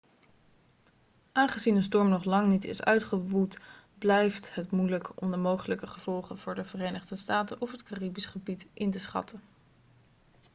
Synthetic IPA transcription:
ʔaːnχəzinəns̬tɔɹmnɔχlɑŋnitɪ̰sœ̰ɥtχəʋut | blɛjftɦətmujləkɔmdəmowχələkəχəv̥ɔlˠχənv̥ʊːɹdəvərejnəχdəstaːtənʔɔfɦətkaribisχəbitʔɪntəsχɑ̰tə

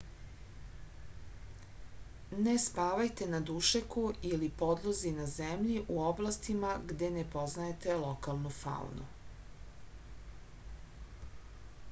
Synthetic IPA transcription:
nespaːʋajt̪enad̪uʃekuilipo̞d̪lˠozinazemʎiʔuoblˠast̪imaɡd̪e̞nepo̞znaet̪e̞lokalˠnufa̰ṵnṵ

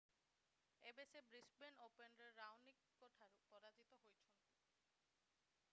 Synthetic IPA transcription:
ebesebɾisbenopenɾeɾːawnikːɔʈʰaɾpɔɾad͡ʑit̪oɦojt͡ɕʰon

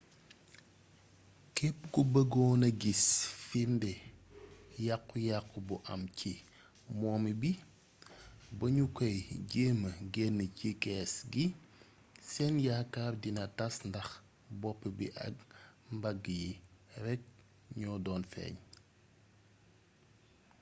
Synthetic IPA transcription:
kɛpːɡubəɡɔːnɐɡisfindɛ | jakːujakːubuʔɐmcʰi | mɔːmibi | bɐɲukɔjɟeːməɡɛnːəcikɛːsɡi | sɛnjakːardinɐtɐsndɐx | bɔpːəbḭʔɐ̰k̚mbɐɡːəjirɛk̚ | ɲɔːdɔːnfɛ̰ːɲ

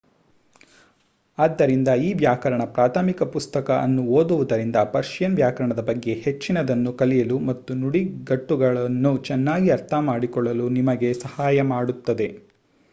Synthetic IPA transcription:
aːd̪ːɐɾind̪ɐiːʋjaːkɐɾɐɳɐpɾaːt̪ʰamikɐpust̪ɐkɐʔɐ̰nːuoːd̪uʋud̪ɐɾind̪ɐpɐɾʃijɐnʋjaːkɐɾɐɳɐd̪ɐbɐɡːe̞het͡ʃːinɐd̪ɐnːukɐlijɐlumɐt̪ːunuɽiɡɐʈːuɡɐɭɐnːut͡ʃɛnːaːɡiɐɾt̪ʰɐmaːɽikɔɭːɐlunimɐɡe̞sɐhaːjɐmaːɽut̪ːɐd̪e̞

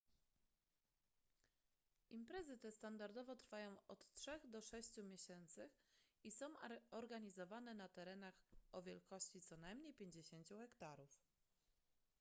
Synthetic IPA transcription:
impɾɛzɘt̪ɛst̪and̪aɾd̪ɔvɔt̪ɾfajɔ̃w̃ɔt̪tʂɛɣd̪ɔʂɛɕt͡ɕumʲjeɕɛnt̪sɘisɔ̃w̃ɔɾɡaɲizɔvanɛnat̪ɛɾɛnaxɔvʲjɛlkɔɕt͡ɕit̪sɔnajmɲejpʲjeɲd͡ʑeɕeɲt͡ɕuɣɛkt̪aɾuf

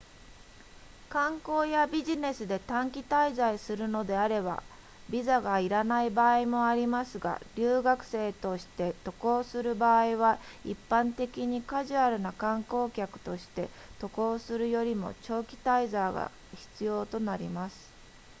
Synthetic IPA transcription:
kãŋko̞ːjabʲiʑine̞sɨd̪e̞t̪ãŋkʲit̪aizaisɨɾɯ̟no̞d̪e̞aɾe̞ba̰ | bʲizaɡaiɾanaibaːimo̞aɾʲimasɨɡa̰ɾʲɨːɡakɯ̟̥se̞ːt̪o̞ɕi̥t̪e̞t̪o̞ko̞ːsɨɾɯ̟baːiβaḭpːãnt̪e̞kʲiɲ̟ikaʑɨaɾɯ̟nakãŋko̞ːkʲakɯ̟̥t̪o̞ɕi̥t̪e̞ | t̪o̞ko̞ːsɨɾɯ̟jo̞ɾʲimo̞̰t͡ɕo̞ːkʲi̥t̪aizaːɡa̰ | çi̥t͡sɨjo̞ːt̪o̞naɾʲimasɨ̥

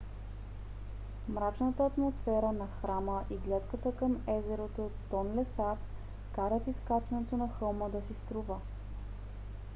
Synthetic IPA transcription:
mɾat͡ʃnət̪əːt̪mosfɛɾənɐxɾaməʔiɡlʲat̪kət̪əkəmɛzɛɾot̪ot̪ːɔnlɛsap | kaɾət̪iskat͡ʃɛnɛt̪onɐxɤlˠməd̪ɐsist̪ɾuvə

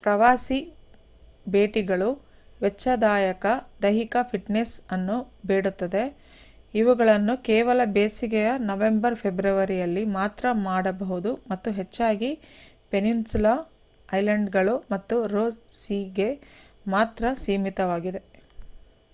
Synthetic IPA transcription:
pɾɐʋaːsi | be̞ːʈiɡɐɭu | ʋɛt͡ʃːɐd̪aːjɐkɐd̪ɐɦikɐpʰiʈnesɐnːubeːɽut̪ːɐd̪e̞ | iʋuɡɐɭɐnːukɛːʋɐlɐbeːsiɡɛjɐnɐʋe̞mbɐɾpʰebɾɐʋɐɾijɐlːimaːt̪ɾɐmaːɽɐbɐɦud̪umɐt̪ːuɦet͡ʃːaːɡi | pe̞ninsula | ɐjlɐɳɖɡɐɭumɐt̪ːuɾoːsiɡe̞ | maːt̪ɾɐsiːmit̪ɐʋaːɡid̪e̞

